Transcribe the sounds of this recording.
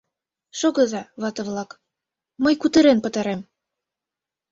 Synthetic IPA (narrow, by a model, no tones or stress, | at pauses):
ʃoɣɤ̆zɑβɑt̪ɤ̆βlɑk | mɤjkut̪ə̆ɾenpə̆t̪ɑɾem